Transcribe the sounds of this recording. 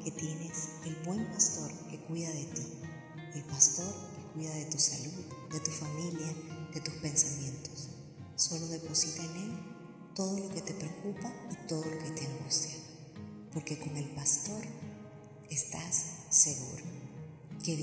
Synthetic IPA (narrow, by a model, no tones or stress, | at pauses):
ke̞t̪je̞ne̞selβwe̞mpast̪o̞ɾkekwiðaðe̞t̪i | e̞lpast̪o̞ɾkekwiðaðe̞t̪usaluðd̪e̞t̪ufamiljaðe̞t̪uspe̞nsamjẽ̞nt̪o̞sː | o̞lo̞ðe̞po̞sit̪aene̞l | t̪o̞ðo̞lo̞ke̞t̪e̞pɾe̞okupait̪o̞ðo̞lo̞ke̞t̪eaŋɡust̪ja | po̞ɾke̞ko̞ŋe̞lpast̪o̞ɾ | e̞st̪asːe̞ɣṵɾo | ke